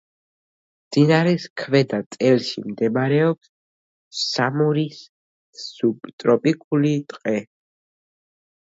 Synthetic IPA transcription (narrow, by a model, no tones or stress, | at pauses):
md̪inaɾɛskʰvɛd̪at̪sʼɛlʃḭmd̪ɛmaɾɛɔps | samɔɾis | sut̪ʼɾɔpʼikʼulit̪ʼqʼɛ